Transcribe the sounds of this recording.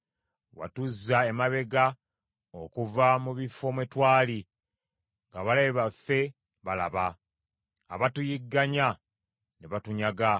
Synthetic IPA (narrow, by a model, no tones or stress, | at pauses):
wa̰tuzːaemaβe̞ɡa | okuvamuβifːo̞mwetwaːli | ŋɡaβalaeβafːe̞ | βala̰βa̰ː | βatujiɡːaɲa | neβatuɲaɡa